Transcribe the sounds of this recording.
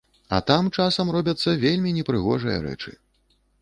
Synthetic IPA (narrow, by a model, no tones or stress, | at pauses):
ɐ̰t̪amt͡ʂasɐmrɔbʲɐt̪sːɐvʲelʲmʲinʲɛpɾɨɣɔʐɨjɐ̰ɾɛ̰t͡ʂɨ̰